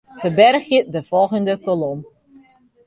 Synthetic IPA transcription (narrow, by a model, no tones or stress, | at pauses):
fərbɛrxjədəfɔlˠɣəndəkolɔm